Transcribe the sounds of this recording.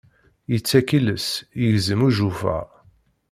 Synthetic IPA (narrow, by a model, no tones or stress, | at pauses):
jət͡sːækiləsjəʝzəmuʒufæ̰